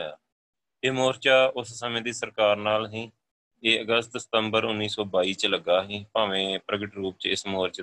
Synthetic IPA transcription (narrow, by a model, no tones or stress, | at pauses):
a̰ː | eːmoːɾt͡ʃaːʊssəmẽːd̪iːsəɾkaːɾnaːlɦĩː | eːəɡəst̪sə̥t̪əmbəɾʊnːiːsɔːbaːiːt͡ʃləɡaːɦĩːpaːʋẽːpɾəɡɪʈɾuːp̚t͡ʃɪsmoːɾt͡ʃ